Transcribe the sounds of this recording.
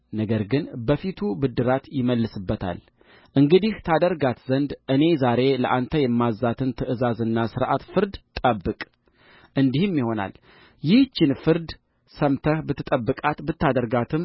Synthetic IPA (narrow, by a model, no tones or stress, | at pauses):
nəɡəɾɡɨnbəfit̪ʰubɨd̪ɨɾat̪jɪməlːɨsɨbːət̪ʰa̰l | ʔɨŋɡɨd̪iht̪ʰad̪əɾɡat̪zənd̪ʔɨne̞zaɾe̞ləʔant̪ʰəjɛmːazːat̪ʰɨnt̪ʰɨʔɨzazɨnːasɨɾʔat̪fɨɾd̪t̪ʼəbːɨkʼ | ʔɨnd̪ihɨmːjiho̞na̰l | jɪht͡ʃːɪnfɨɾd̪ | səmt̪ʰəhbɨt̪ːɨt̪ʼəbːɨkʼat̪bɨt̪ːad̪əɾɡat̪ʰɨm